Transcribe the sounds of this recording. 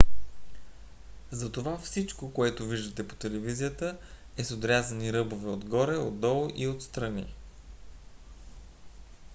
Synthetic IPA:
zɐt̪ovafsit͡ʃkokoɛt̪ʊviʒd̪ət̪ɛpo̥t̪ɛlɛvizijət̪ə | ɛsod̪ɾʲazəniɾɤbovɛod̪ɡɔɾɛo̰d̪ːɔlˠʔiot̪st̪ɾɐni

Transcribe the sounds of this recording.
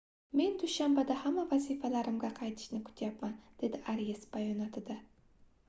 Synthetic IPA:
me̞nd̪ʊʃambad̪ahamːavazifalaɾɪmɡʲaqʰɑjt̪ʰɪ̥ʃnɪkʰʊ̥t̪ʰjapmand̪̥e̞d̪ɪaɾijesbajɒnɒt̪ʰɪd̪a

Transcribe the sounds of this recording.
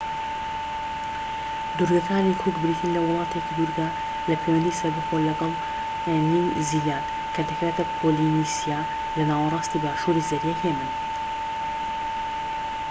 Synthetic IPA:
d̪uɾɡɐkʰaːɾikʰukbɪɾiːt̪ʰinlɐwɑlˠɑːt̪ʰekid̪uɾɡaː | lɐpʰeːwɛnd̪iːsɐɾbɨxolɐɡɑl | ninzijaːn | kʰat̪ɛkɾaːt̪apʰolinisijaː | lɨnaːwɑrˤɑːst̪iːbaːʃuːɾizɐɾjɛkʰeːmɨn

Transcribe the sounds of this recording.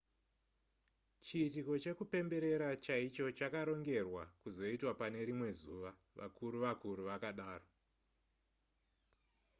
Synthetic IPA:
t͡ʃiːtiko̞t͡ʃe̞kupe̞mbe̞ɾe̞ɾat͡ʃait͡ʃo̞t͡ʃakaɾo̞ŋɡe̞rwa̰kuzo̞itwapane̞ɾimwe̞zṵʋa | ʋʔa̰kuɾuʋakuɾuʋakaɗaːro

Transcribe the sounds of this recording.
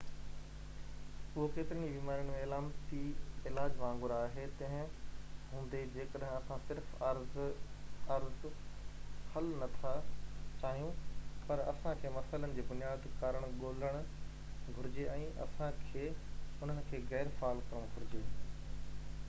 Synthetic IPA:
ʊɦokeːt̪ɪɾənibiːmaːɾənɪ̆mẽɪlaːmt̪iɪlaːd͡ʑʋãːŋɡʊɾaːɦet̪ɐ̃ɦɪ̃ɦũːnd̪ed͡ʑeːkəɗɦɪ̃ɐsãsɪɾfɾz | ɐɾz | hɐlnɐt̪ʰat͡ɕaːɦijũpɐɾɐ̰sãkʰeːmɐsaːɪlənɪ̆d͡ʑeːbʊnijaːd̪kaːɾəɽ̃ɠoːləɽ̃ | ɡʱʊɾɪd͡ʑeɛ̃ːʔɐ̰sãkʰeːʊn̤ənɪ̆kʰeːɣɛːɾfaːlkɐɾəɽ̃ɡʱʊɾɪd͡ʑeː

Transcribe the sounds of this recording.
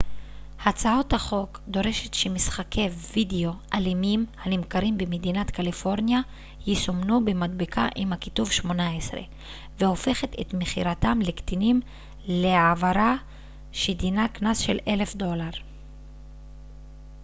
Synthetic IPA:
hat͡sao̞thaχo̞kd̪o̞ʁe̞ʃe̞t̪ʃemisχakʰe̞jvideo̞ʔalimimhanimkaʁimbemed̪inat̪kalifo̞ʁnja | jisomnubemadbikʰaʔimhakituvʃmo̞naesʁe̞̰ | veho̞fe̞χet̪et̪meχiʁatamlekt̪inim | leavaɾa | ʃed̪inaknasʃele̞le̞fd̪o̞laʁ

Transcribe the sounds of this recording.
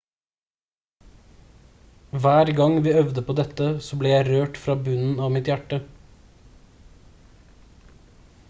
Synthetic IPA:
ʋæːɾɡɑŋʋiːœʋd̪əpʰoːd̪ɛt̪əsoːbleːjæɪɾøːʈfɾɑːbʉnn̩ɑːʋmɪt̪jæʈə

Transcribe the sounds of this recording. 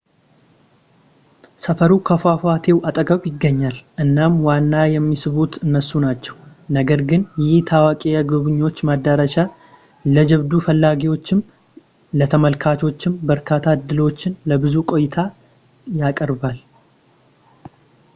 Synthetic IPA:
səfəɾukʰəfafat̪ʰe̞wat̪ʼəɡʼəβjɪɡːəɲːalʔɨnːamwanːajɛmːisɨβut̪ɨnːəsːunat͡ʃːɛwnəɡəɾɡɨnjɪht̪ʰawakʼejaɡɨβɨɲːo̞t͡ʃːmad̪əɾəʃa | ləd͡ʒɛβd̪ufəlːaɡiwo̞t͡ʃːɪm | lət̪ʰəməlkʰat͡ʃ̪ʰo̞t͡ʃːɪmbəɾkʰat̪ʰːaɨd̪ːɨlo̞t͡ʃːɪnləbɨzukʼo̞jɪt̪ʰa | jakʼəɾbal

